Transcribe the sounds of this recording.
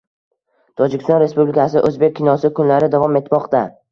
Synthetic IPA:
t̪ʰɒd͡ʒɪkʲɪ̥st̪ɒnɾe̞spublɪkʰʲasɪʔɵzbe̞k̚ʲʰːɪnɒsɪkʰʊnlaɾɪd̪avɒme̞t̪mɒqt̪a

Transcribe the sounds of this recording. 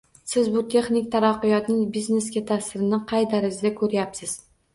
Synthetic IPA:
sɪzbʊt̪ʰe̞χnɪk̚ʲt̪ʰaɾaqːɨjɒt̪nɪŋbizne̞skʲat̪ʰasɪɾɪnɪqʰɑjd̪aɾɪzɪd̪akʰɵɾjapsɪz̥

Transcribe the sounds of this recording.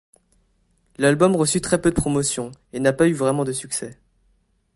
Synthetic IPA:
lalbɔmʁəsyt̪χɛpød̪əpχɔmɔsjɔ̃enapayvʁɛmɑ̃d̪əsyksɛ

